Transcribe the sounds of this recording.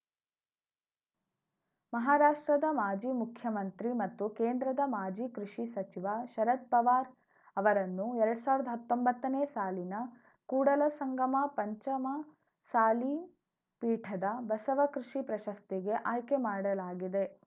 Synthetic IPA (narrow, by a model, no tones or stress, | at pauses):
mɐɦaːɾaːʂʈɾɐd̪ɐmaːd͡ʒiːmukʰjɐmɐnt̪ɾimɐt̪ːukeːnd̪ɾɐd̪ɐmaːd͡ʒiːkɾiʂisɐt͡ʃiʋɐʃɐɾɐt̪̚pɐʋaːɾ | ɐʋɐɾɐnːuɛɾɐɽusaːʋɾd̪ɐɦɐt̪ːombɐt̪ːɐneːsaːlinɐ | kuːɽɐlɐsɐŋɡɐmɐpɐɲt͡ʃɐmɐ | saːli | piːʈʰɐd̪ɐbɐsɐʋɐkɾiʂipɾɐʃɐst̪iɡe̞ʔaːjkemaːɽɐlaːɡid̪e̞